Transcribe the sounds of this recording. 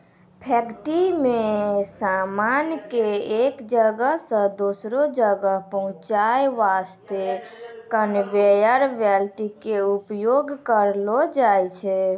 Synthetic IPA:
pʰɛkʈimesamankeekd͡ʒəɡəɦsə̃d̪osɾod͡ʒəɡəɦpəɦũt͡ʃajʋast̪ekənʋejəɾʋɛlʈikeupjoɡkəɾlɔd͡ʒajt͡ʃʰɛ

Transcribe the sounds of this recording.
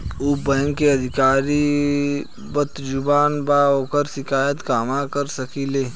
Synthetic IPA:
ubɛ̃ːŋkeɐd̪ʱɪkaːɾi | bət̪d͡ʒʊbaːnbaoːkəɾʃɪkaːjət̪kaːmãkəɾsɐkileː

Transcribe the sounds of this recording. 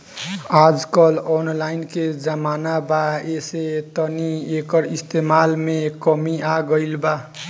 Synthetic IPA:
ad͡ʒkʌlɔnlainked͡ʒəmanabaeset̪ʌniekʌɾist̪emalmekəmiaɡʌɪlba

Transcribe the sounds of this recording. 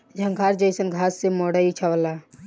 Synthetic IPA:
d͡ʒʱəŋɡʱaɾd͡ʒəjsənɡʱasːemɔɽəit͡ʃʰəbla

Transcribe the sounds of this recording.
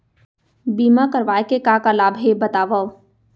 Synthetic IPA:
biːmakəɾʋaːekekakalaːbʱɦebɐt̪aːʋao

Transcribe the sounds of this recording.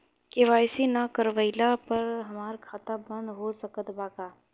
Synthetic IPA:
keʋaːɪsinakəɾʋəɪlapɐɾɦɐmaːɾkʰaːt̪abɐ̃nd̪ɦoːsəkət̪baːkaː

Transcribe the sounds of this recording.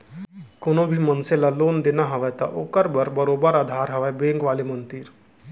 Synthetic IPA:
koñobʱiːmənselaloːnd̪enaɦəʋajt̪a̰ʔokəɾbəɾbəɾobəɾad̪ʱaɾɦəʋajbeŋkʋalemənt̪iːɾ

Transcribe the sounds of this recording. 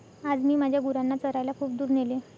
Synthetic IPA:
ad͡zmiːmad͡ʑʱjaɡuɾanːat͡səɾajlakʰuːpd̪uːɾnele

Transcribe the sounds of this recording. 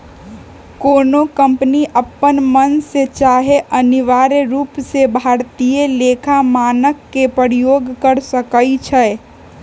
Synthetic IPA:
koːnokə̃mpniʔəpːənmənset͡ʃaɦeʔəniʋaːɾeɾuːpsebʱaːɾt̪ijeleːkʰamaːnəkːepəɾijoːɡkəɾsəkəit͡ʃʰɛ

